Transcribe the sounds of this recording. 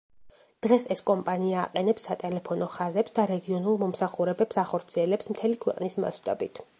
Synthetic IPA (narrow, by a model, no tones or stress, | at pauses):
d̪̥ʁɛsɛskʼɔmpʼania̰ːqʼɛnɛpsːat̪ʼɛlɛpʰɔnɔχazɛpsd̪aɾɛɡiɔnulˠmɔmsaχuɾɛbɛpsaχɔɾt̪sʰiɛlɛpsmt̪ʰɛlikʰwɛqʼnisma̰t̪ʼa̰bit̪ʰ